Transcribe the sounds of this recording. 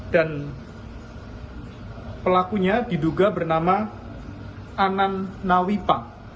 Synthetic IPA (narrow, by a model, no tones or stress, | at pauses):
d̥an | pəlakuɲadi̤duɡabərnama | ananːawipaŋ